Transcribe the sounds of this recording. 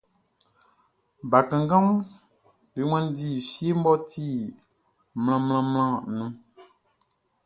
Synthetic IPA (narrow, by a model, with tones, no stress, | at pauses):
ba˨kã˨ŋ˨ɡã˦m | be˨˦ŋã˦n˦di˨fi˦e˦m̩˦bɔ˦ti˦ | ml̃ã˨ml̃ã˦ml̃ã˦nũ˨˦